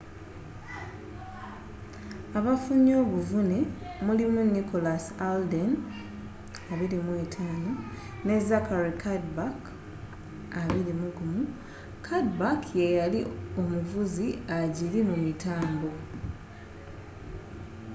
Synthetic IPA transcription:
aβafuɲo̞ːβuvune̞mulimuniko̞lasalde̞n | aβiɾimwe̞tʰaːno̞ | ne̞zakaɾikʰadbak | aβiɾimuɡumu | kʰadbakʰje̞jalio̞muvuziaɟiɾimumitaːmbo̞

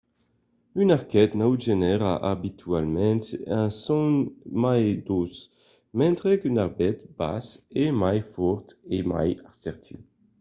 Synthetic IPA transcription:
ynaʁkɛt̪nawʒenɛʁaʔabit̪ʰyalmɛ̃nt̪ɛ̃sɔ̃nmajd̪os | mɛ̃nt̪ʁɛkynaʁbɛt̪b̥a̰semajfɔʁt̪ema̰jaʁsɛʁt̪ʰy̰

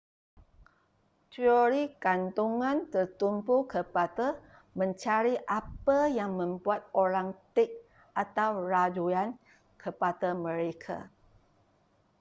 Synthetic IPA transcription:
t̪ioɾikant̪uŋãnt̪ərt̪umpukəpada | mə̃ɲt͡ʃaɾiʔapəjaŋmə̃mbuat̪̚oɾaŋt̪ɪk̚ | at̪awraduan | kʰəpadamə̃ɾekʰa̰

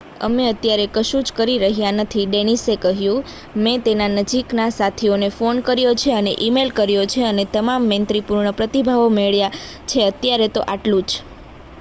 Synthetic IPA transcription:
ə̰meət̪jaɾekəʃũd͡ʒkəɾiɾəɦjanət̪ʰiɖeñisekəɦjũ | mɛ̃t̪enanəd͡ʒiknasat̪ʰionefonkəɾjot͡ʃʰeənḛʔimelkəɾjot͡ʃʰeənet̪əmamːə̃nt̪ɾipuɾɳəpɾət̪ibʱaʋomeɭja | t͡ʃʰeət̪jaɾet̪oʔaʈlũd͡ʒ

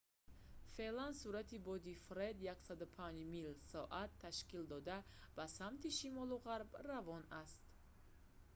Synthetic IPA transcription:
fe̞ʔlansuɾat̪ʰibɔd̪ifɾed̪jaksad̪upʰand͡ʒmilsɔʔat̪ʰːaʃkild̪ɔd̪ab̥asamt̪iʃimɔluʁaɾbravɔnast̪

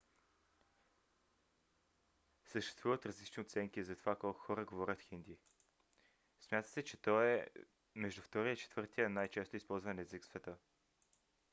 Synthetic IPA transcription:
səʃt̪ɛ̥st̪vuvət̪ɾɐzlit͡ʃnioʊt̪sɛŋkizɐt̪ovakɔlˠkʊ̥xɔɾəɡovɔɾʲət̪xind̪i | smʲjat̪ə̥sɛt͡ʃɛt̪ɔɛ | mɛʒd̪uft̪ɔɾiəit͡ʃɛ̥t̪v̥ɤɾt̪ijənajt͡ʃɛst̪ʊispɔlˠzvənɛziksvɛt̪ə

